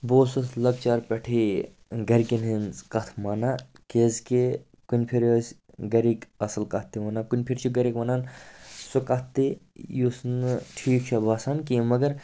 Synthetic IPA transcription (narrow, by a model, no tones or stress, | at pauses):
boːsɐsʰlɐɡ̚t͡ʃaːɾpʲɐʈʰi | ɡɐɾkinɦinzkɐt̪ʰmana | keːzke | kunʲpʰiɾoːsʲ | ɡɐɾikɐsɐlkɐt̪ːiʋɐnakunʲpʰiɾt͡ʃʰiɡɐɾikʋɐnaːnsokɐt̪ːijusnʈʰiːkt͡ʃʰɐbʱaːsaːnkimɐɡɐɾ